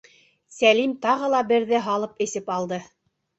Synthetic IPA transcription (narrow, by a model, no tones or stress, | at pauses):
sælimt̪ɑʁɤ̆lˠɑbɘ̆ɾðɘɦɑlˠɤpɘ̆sɘpɑlˠd̪ɤ